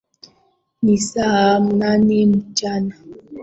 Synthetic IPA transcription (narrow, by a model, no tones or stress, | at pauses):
nisaam̩nanim̩t͡ʃana